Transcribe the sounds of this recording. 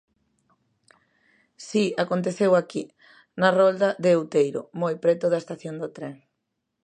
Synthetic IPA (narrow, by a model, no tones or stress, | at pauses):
siakont̪eθewaki | nɐrɔld̪ɐðeowt̪ejɾʊ̰mojpɾɛt̪ʊðɐest̪aθjond̪ot̪ɾeŋ